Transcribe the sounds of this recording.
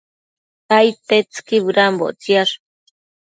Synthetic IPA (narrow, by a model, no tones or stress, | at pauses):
kajt̪et͡skiβɾambo̰ʔt͡sjaʂ